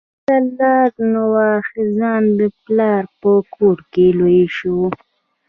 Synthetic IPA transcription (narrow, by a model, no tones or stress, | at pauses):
t̪alɑːɾnawɑxɪzɑnd̪əplɑɾpəkʰoɾkelojeʃu